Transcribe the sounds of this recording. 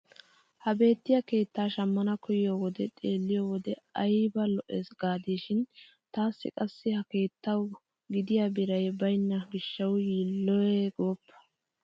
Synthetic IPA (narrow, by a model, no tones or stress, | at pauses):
hɐbe̞ːt̪ːɪjɐke̞ːt̪ːaːʃɐmːɐnɐkɔjɪjoːwɔd̪ɛt̪ʼe̞ːlːɪjoːwɔd̪ɛɐjbɐlɔʔeːsɡaːd̪iːʃɪn | t̪aːsːɪ̰kʼɐsːɪhɐke̞ːt̪ːɐw | ɡɪd̪ɪjaːbɪɾɐjbɐjnːɐɡɪʃːɐwjiːlːɔjɛɡoːpːɐ̥